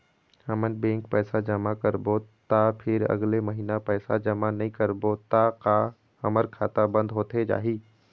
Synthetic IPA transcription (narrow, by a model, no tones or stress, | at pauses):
həmənbẽːŋkpɛːsad͡ʒəmakəɾbot̪apʰɪɾə̰ɡleməɦiːnapɛːsad͡ʒəmanɐɦĩkəɾbot̪aka | ə̰məɾkʰaːt̪abə̃nd̪ɦoːt̪ed͡ʒa̰ːɦiː